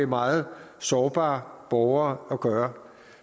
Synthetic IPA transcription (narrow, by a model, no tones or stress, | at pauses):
emɑ̈ːð̩ˠ | sɒːb̥ɑ̰̈ːb̥ɒʊɐːɒɡ̥ɶːɐ